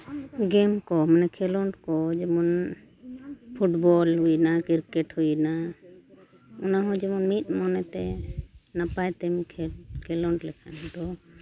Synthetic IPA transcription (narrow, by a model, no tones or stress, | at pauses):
ɡɛmkɔmanɛkʰɛlɔɳɖkɔd͡ʒɛmun | pʰuʈbɔlɦujnakiɾkɛʈhujna | ɔnaɦɔd͡ʒɛmunmit̪̚ˀmɔnɛt̪ɛnapajt̪ɛmikʰɛkʰɛlɔɳɖlɛkʰanad̪ɔ